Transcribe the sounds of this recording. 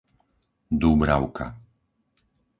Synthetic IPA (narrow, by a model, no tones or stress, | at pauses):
d̪ubɾaʊka̰